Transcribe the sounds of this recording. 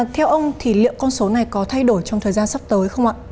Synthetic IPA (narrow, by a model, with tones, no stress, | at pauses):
t̪ʰɛ˧wʔə˧wŋ͡mt̪ʰi˧˩lḭ˧˨əwkɔ˧nso˨˦na˨˩jkɔ˨˦t̪ʰa˧jɗo˧˩jt͡ɕɔ˧wŋ͡mt̪ʰəː˨˩jzaː˧nsa˦˥p̚t̪əː˨˦jxə˧wŋ͡mʔa̰ː˧˨